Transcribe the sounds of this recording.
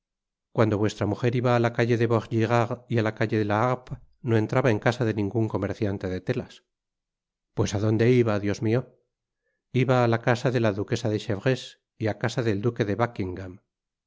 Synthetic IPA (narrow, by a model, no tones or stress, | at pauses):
kwand̪o̞βwe̞st̪ɾamuxe̞ɾiβaːlakaʝe̞ðe̞βoʁʝiɣaʁialakaʎe̞ðelaap | no̞e̞nt̪ɾaβae̞ŋkasaðe̞nĩŋɡuŋko̞me̞ɾθjant̪e̞ðe̞t̪e̞las | pwe̞saðo̞nd̪e̞iβaðjo̞zmio̞ | iβaːlakasaðe̞laðuke̞saðeʃeβʁe̞s | iakasaðe̞ld̪uke̞ðe̞βakiŋɡam